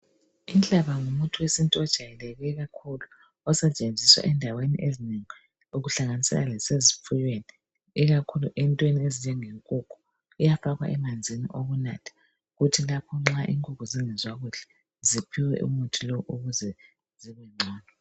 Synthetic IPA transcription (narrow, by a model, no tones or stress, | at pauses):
int͡ɬʼaβaŋumutʰuwesintʼiɔd̥ʒ̥ʱajɛlɛɣɛɣakʰulu | ɔsɛt͡ʃʼend͡zʱiswa̰ʔɛndʱawenḭʔezineŋi | uɣuɬaŋanisɛ̰lalɛsezifujweni | iɣakʰuluʔɛntʼwenieziɲɛŋeŋkʼukʰu̥ː | jafaɣwa̰ʔɛmand͡zʱinḭʔoɣuna̰tʰḁ | ɣutʰilapʰɔŋ͡ǁaʔiŋkʼukuziŋɛzwaɣuɬɛ̥ | zipʰiwɛ̰ʔṵmutʰilɔwʔuɣuzɛ | ziɣɛŋ͡ǀʱɔːnɔ